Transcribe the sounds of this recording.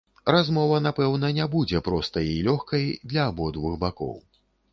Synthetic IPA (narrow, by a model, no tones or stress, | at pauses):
ɾazmɔvɐn̪apɛwn̪ɐnʲɛbud͡zʲɛpɾɔst̪ɐilʲɔxkɐjd̪lʲɐːbɔd̪vuxbakɔ̰w